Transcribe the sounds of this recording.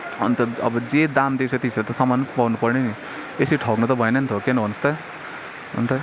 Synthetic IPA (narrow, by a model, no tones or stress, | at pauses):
ṵnt̪ʌʌ̰bʌd͡zed̪amd̪esʌt̪iisɾat̪ʌsʌmanpawnupʌrneni | esiʈʰʌknut̪ʌbʱʌenʌnt̪ʰokenʌbʱʌnost̪ʌ | ʌ̰nt̪ʰʌ